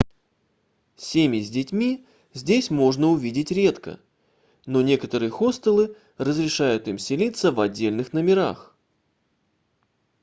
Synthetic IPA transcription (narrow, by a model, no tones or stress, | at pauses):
sʲemʲɪzʲdʲɪtʲmʲi | zʲdʲesʲmo̞ʐnəʊvʲidʲɪtʲɾʲe̞t̪kə̰ | no̞nʲe̞kət̪əɾɨjəxo̞st̪əlˠɨ | rəzɾʲɪʂajʊt̪imsʲɪlʲit̪sːəvɐdʲːelʲnɨxnəmʲɪɾa̰x